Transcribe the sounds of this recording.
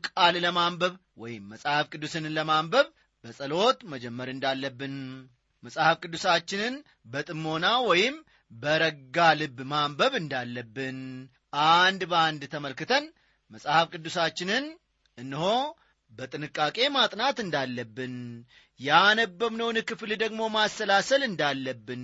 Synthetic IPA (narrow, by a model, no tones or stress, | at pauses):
kʼalləmambəβ | wɔjɪmːəsʼhafkʼɨd̪ːusɨnləmambəβ | bəsʼəlo̞t̪məd͡ʒɛmːəɾɨnd̪alːəbːɨn | məsʼhafkʼɨd̪ːusat͡ʃːɪnɨn | bət̪ʼɨmːo̞nawɔjɪm | bəɾəɡalɨbːmambəβɨnd̪alːəbːɨn | ʔand̪bəand̪t̪ʰəməlkɨt̪ʰən | məsʼhafkʼɨd̪ːusat͡ʃːɪnɨn | ʔɨnːɨho̞ | bət̪ʼɨnɨkʼːakʼe̞mat̪ʼnat̪ɨnd̪alːəbːɨn | janəbːəmnəwnɨkɨfld̪əɡmo̞mast̪əlasəlɨnd̪alːəbːɨn